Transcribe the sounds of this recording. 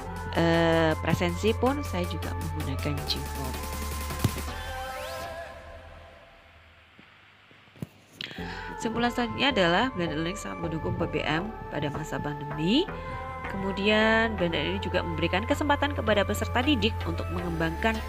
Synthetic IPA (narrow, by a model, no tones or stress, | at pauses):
ʔəpɾʔesɛnsipʊnsajad͡ʒuɡa̰məŋɡunakand͡ʒiŋpɔ̰t | simpulansaɲaːdalahbandaɾiksaat̪̚məndukʊŋpebḛʔɛmpa̰damasapandəmi | kəmudianbandaɾinid͡ʒuɡaməmbəɾikankəsəmpat̪ankəpadapəsərt̪adidɪk̚unt̪ʊk̚məŋəmbaŋkan